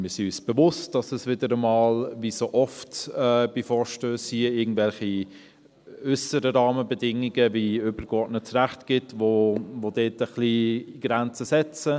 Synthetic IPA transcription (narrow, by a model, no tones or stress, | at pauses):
mɪːɾsiyːsb̥əvʊst̚d̥ɑsɛsvɪdəɾəmɑːlvisoːʔɔftɛːb̥ifɔːɾʃtøːshiɪɡŋ̩dvɛlχi | ʏsəɾəɾɑːməbɛdɪŋːiɡəviʏbəɾɡ̥ɔɹdnət͡sɾæχtɡ̥ɪtvoʋodeːtəχliɡ̥ɾænt͡səsɛt͡sə